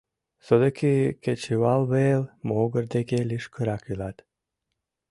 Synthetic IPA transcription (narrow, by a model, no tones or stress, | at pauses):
sod̪əkʰiket͡ʃiwalˠβelmoːɡəɾd̪ekeliʃkʰəɾakilat̪